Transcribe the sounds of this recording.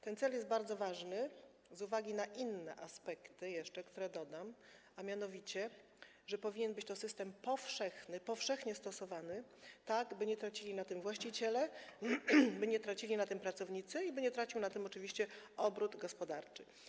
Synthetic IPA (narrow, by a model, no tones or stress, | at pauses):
t̪ɛnt̪sɛljɛst̪̚baɾd̪zɔvaʐnɘ | zuvaɡʲinaʔinːɛ̰ʔaspɛkt̪ɘjɛʂt͡ʂɛkt̪uɾɛd̪ɔd̪am | amʲjanɔvʲit͡ɕɛ | ʐɛpɔvʲiɲɛnbɘt͡ɕt̪ɔsɘst̪ɛmpɔfʂɛxnɘpɔfʂɛxɲɛst̪ɔsɔvanɘt̪aɡbɘɲɛt̪ɾat͡ɕilʲinat̪ɘmvwaɕt͡ɕit͡ɕɛlɛ | bɘɲɛt̪ɾat͡ɕilʲinat̪ɘmpɾat̪sɔvɲit̪sɘibɘɲɛt̪ɾat͡ɕiwnat̪ɘmɔt͡ʂɘvʲiɕt͡ɕɛɔbɾud̪ɡɔspɔd̪aɾt͡ʂɘ̥